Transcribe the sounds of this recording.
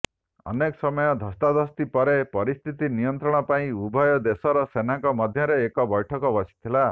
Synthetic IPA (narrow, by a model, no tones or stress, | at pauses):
ɔ̰nekɔsɔmɔjɔd̪ʱɔst̪ad̪ɔst̪ipɔɾepɔɾist̪ʰit̪inijɔnt̪ɾɔɽ̃ɔpaĩubʱɔjɔd̪esɔɾɔsenaŋkɔmɔd̪ʱjɔɾeːkɔbɔjʈʰɔkɔbɔsi̥t̪ʰila